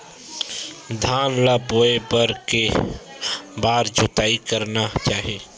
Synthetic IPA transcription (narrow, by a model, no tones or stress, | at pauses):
d̪ʱaːnlaboːebəɾke | baːɾd͡ʒʱoːt̪aːikəɾnat͡ʃaːɦieː